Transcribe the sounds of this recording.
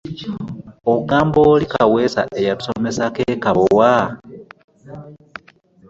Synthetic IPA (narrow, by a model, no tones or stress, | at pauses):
oɡaːmboːlikawe̞ːsa̰ʔe̞jatu̥so̞me̞sakeːkaβowa